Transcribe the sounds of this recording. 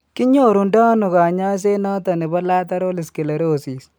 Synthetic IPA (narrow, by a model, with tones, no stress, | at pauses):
kɪ˦ɲo˦˨ɾu˨nda˦nʊ˨ka˨ɲa˦s̬e˦na˦ta˨ni˨ba˦la˦ta˦ɾo˦lɪ˨ske˨le˨ɾo˦˨si˨s